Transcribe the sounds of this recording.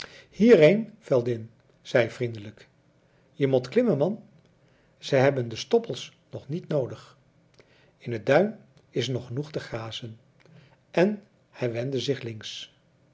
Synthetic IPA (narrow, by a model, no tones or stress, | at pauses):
hiːrejnv̥ɛlˠdɪn | z̥ɛjv̥rindələk | jəmɔtklɪməmɑn | z̥ɛjɦɛbəndəstɔpəlˠs | nɔχnitnowdəχ | ɪnədœɥm | ɪs̬nɔχənuχtəχaːzən | ʔɛn | hɛjʋɛndəzɪχlɪŋs